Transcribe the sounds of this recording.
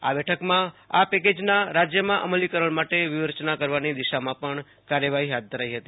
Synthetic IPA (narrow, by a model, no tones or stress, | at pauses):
a̰bɛʈʰəkmãapɛked͡ʒnaɾad͡ʒjəmãʔə̰məlikəɾəɭmaʈeʋɪʋəɾt͡ʃnakəɾʋanid̪iʃamãpəɳ | kaɾjəʋaɦiɦat̪̚d̪ʱəɾajɦət̪i